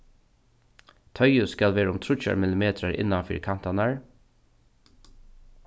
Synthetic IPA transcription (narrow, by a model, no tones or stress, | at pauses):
t̪ʰœʏʉskɑlʋeːɹʊmt̪ʰɾʊc͡çə̰ɹmɪlɪmeːt̪ʰɾəɾʔɪ̰nɑfḭːɾkʰɑnt̪ɑnæɹ